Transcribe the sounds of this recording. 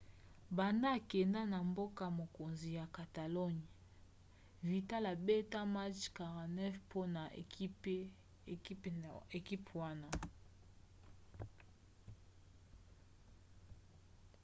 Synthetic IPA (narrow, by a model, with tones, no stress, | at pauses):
ba˨nda˦a˨kɛ˨nda˦na˨mbo˦ka˨mo˨ko˨nzi˨ja˨ka˨ta˨lɔ˦ɲ˨ | vi˨ta˦la˨be˦ta˦ma˦t͡ʃka˨ʁa˨nɛ˦fpʰo˦na˨˦˨ | e˨ki˦pwa˦na˦